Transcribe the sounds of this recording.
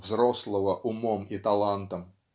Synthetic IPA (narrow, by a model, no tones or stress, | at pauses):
vzɾoslˠəvəʔʊmomit̪ɐlˠant̪əm